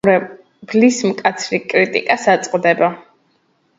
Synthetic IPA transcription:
ɾɛ | b̥lismkʼat̪sʰɾikʼɾit̪ʼḭkʼasat̪sʼqʼd̪ɛba

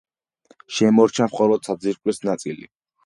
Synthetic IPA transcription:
ʃɛmɔɾt͡ʃʰamχɔlɔd̪̥sad̪ziɾkʼwisnat̪sʼilḭ

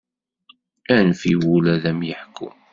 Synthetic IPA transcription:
ænfiwulæðæmjəħkʰːṵm

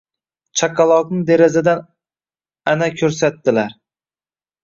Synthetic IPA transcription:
t͡ʃʰakɑlˠɒqnɪd̪eɾazad̪an | anakʲʰɵɾsat̪ːɪlaɾ

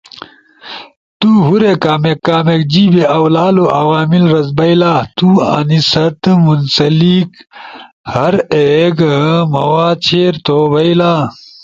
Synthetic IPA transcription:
t̪uɦuɾekaːmekːaːmek̚d͡ʑiːbeʔɐwlaːloʔɐwaːmilɾɐzbɐilaːt̪uɐ̰nisɐt̪munsɐlik | hɐɾeɡmɐwaːt͡ɕʰeːɾt̪oːbɐilaː

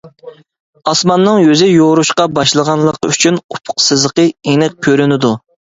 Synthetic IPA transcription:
ɑsmɑnːɨŋjøzɪjoɾuʃqɑbɑʃlˠəʁɑnlˠəqyt͡ʃʰynupʰʊ̥qsɨzəqəenɪk̚kʲʰːøɾynɪd̪u

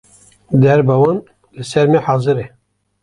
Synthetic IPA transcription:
d̪ɛɾbɛwɑn | lɨsɛɾmeħɑːzɨɾe

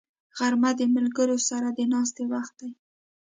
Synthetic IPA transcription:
ɣaɾmad̪əmɪlɡəɾosaɾad̪ənɑs̬t̪ewaxt̪̚d̪aj

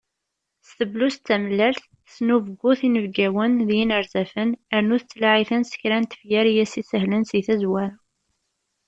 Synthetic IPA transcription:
sθəblust̪ːæməlːælθ | snuvəɡʷːʊθinəvɡæwənðjinəɾzæfənəɾnuθət͡sːlaʕiθənsə̥çɾænt̪ə̥fjæɾjæsisəɦlənsiθæzwæɾ

